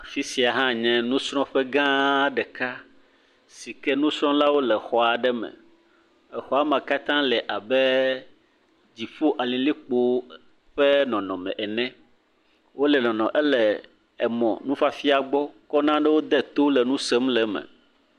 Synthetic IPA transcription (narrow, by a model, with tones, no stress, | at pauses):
fi˦si˨a˨ɦã˦ɲɛ̃˦nũ˦sɾ̃ɔ̃˦ɸɛ˦ɡã˦ɖɛ˨ka˦ | si˨kɛ˦nũ˦sɾ̃ɔ̃˦la˦wo˦lɛ˨xɔ˦a˨ɖɛ˦mɛ̰̃˨ | ɛ˨xɔ˦a˦mã˨ka˦t̪ã˦lɛ˨ʔa˨bɛ˦ | d͡ʑi˨ɸu˦ʔa˨lĩ˨li˦k͡po˦ | ɸɛ˦nɔ̃˨nɔ̃˨mɛ̰̃˨ʔɛ˨nɛ̃˦ | wo˦lɛ˨nɔ̃˨nɔ̰̃˨ʔɛ˦lɛ˨ | ɛ˨mɔ̰̃˨nũ˦fa˦fi˦a˨ɡ͡bɔ˦kɔ˦nã˦ɖɛ˦wo˦d̪ɛ˦t̪o˦lɛ˨nũ˦sɛ˦mlɛ˨mɛ̰̃˨